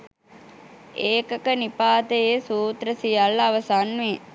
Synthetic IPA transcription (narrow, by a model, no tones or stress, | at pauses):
eːkɐkənipaːt̪ejeːsuːt̪ɾəsijalːɐʋɐsanːʋe